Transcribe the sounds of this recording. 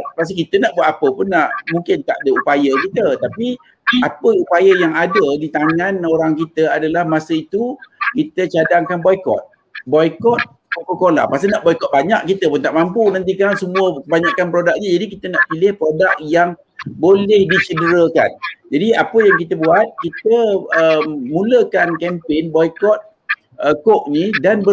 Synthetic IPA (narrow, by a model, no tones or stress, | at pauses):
past̪ikit̪ənaʔbuat̪apəpʊnːaʔmuŋkɪnt̪aʔdəupajəkit̪ət̪api | apəupajəjaŋadədit̪aŋãnoɾaŋkit̪əadalahmasəit̪ukit̪ət͡ʃadaŋkanbɔjkɔ̰t̪̚ | bɔjkɔt̪̚ | kokokola̰hpas̬anaʔbɔjkɔt̪̚baɲaʔkit̪əpʊnt̪aʔ̚mampunant̪̬ikaɾaŋsəmũəkəbaɲakanpɾodak̚ɲəd͡ʒadikit̪ənaʔpilɪhpɾodak̚jaŋ | bolɛhdit͡ʃədəɾəka̰nd͡ʒadiapəjaŋkit̪əbuat̪̚kit̪əəmũləkankɛmpɪnbɔjkɔt̪̚ | əkɔk̚nidanbə